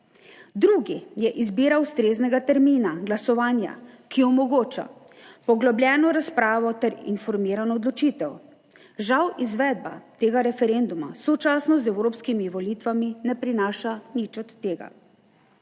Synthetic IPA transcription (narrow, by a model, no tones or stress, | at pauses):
d̪ɾuːɡijɛʔizbiːɾawst̪ɾeːznɛɡat̪ɛɾmiːnaɡlasɔʋaːnja̰kijɔɔmɔɡoːt͡ʃa̰ | pɔɡlɔblʲjʲɛːnɔɾaspɾaːʋɔt̪ɛɾḭnfɔɾmiːɾanɔːd̪lɔt͡ʃiːt̪ɛw | ʒawizʋɛːd̪̚ba̰t̪eːɡaɾɛfɛɾend̪uma̰sɔt͡ʃaːsnɔzɛwɾoːpskimiʋɔliːt̪ʋaminɛpɾinaːʃanit͡ʃɔt̪ːeːɡa̰